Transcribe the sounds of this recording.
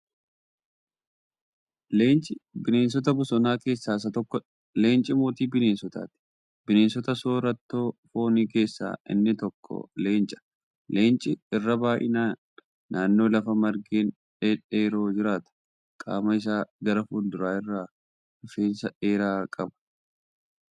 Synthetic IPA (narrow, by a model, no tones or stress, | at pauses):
leːnt͡ʃʼɪbɪne̞ːnsɔt̪̬ɐbʊsɔnaːke̞ːsːaːs̬ɐt̪ɔkːɔ | le̞ːnt͡ʃʼɪmoːt̪iːbɪne̞ːnsɔt̪a̰ːt̪ɪ̥ | bɪneːnsɔt̪ɐsoːɾɐt̪ːoːfo̞ːniːke̞ːsːa̰ːɪ̰nːɪt̪ɔkʰːɔ̰le̞ːnt͡ʃʼɐ̥ | le̞ːnt͡ʃʼɪɪrːɐbaːʔɪ̰naːnː | aːnːo̞ːlɐfɐmɐɾɡeːn | ᶑeᶑeːɾo̞ːd͡ʒɪɾaːt̪ɐ̥ | kʼa̰ːmɐɪs̬aːɡɐɾɐfuːnd̪ʊɾaːɪrːaː | ʊfeːnsɐʔe̞ːɾaːkʼɐbɐ̥